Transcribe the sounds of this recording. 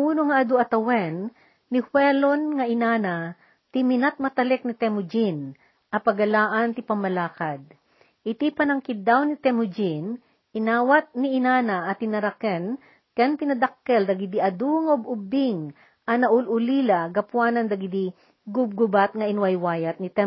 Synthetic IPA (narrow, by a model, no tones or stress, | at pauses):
uːnoŋɐʔɐd̪uɐt̪ɐwɛnː | ɪhwɛlonŋɐɪnaːna | t̪ɪmɪnat̪̚mɐt̪ɐlɛk̚nit̪ɛmʊd͡ʒin | ʔɐpɐɡɐlaːʔɐnt̪ɪpɐmːɐlaːkad̪̚ | ʔɪt̪ipɐnɐŋkɪd̪awnɪt̪ɛmʊd͡ʒin | ʔɪnaːwat̪̚nɪɪnaːnaʔɐt̪ɪnɐɾɐkɛn | kɛnp̪ɪnɐd̪akːɛld̪ɐɡɪd̪iʔɐd̪uŋɐʔʊbʊbɪŋ | ʔɐnɐʔʊlʔʊlilaɡɐpwanɐnd̪ɐɡɪd̪i | ɡʊb̚ɡʊbat̪̚ŋɐʔɪnwɐjwaːjɐt̪̚nɪt̪ɛ